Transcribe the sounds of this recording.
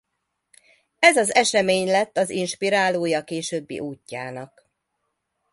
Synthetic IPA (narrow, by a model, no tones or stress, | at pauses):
ɛzɒzɛʃɛmeːɲlɛt̪ːɒzinʃpiɾaːloːjɒkeːʃøːbːḭʔuːcːa̰ːnɒk